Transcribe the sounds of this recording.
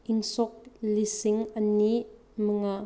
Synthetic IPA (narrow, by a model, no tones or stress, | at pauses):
ʔinsɔk̚lisiŋɐni | məŋa